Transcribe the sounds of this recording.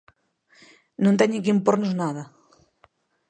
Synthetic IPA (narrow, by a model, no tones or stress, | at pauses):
nõnt̪ɛɲikimpoɾnoznaðɐ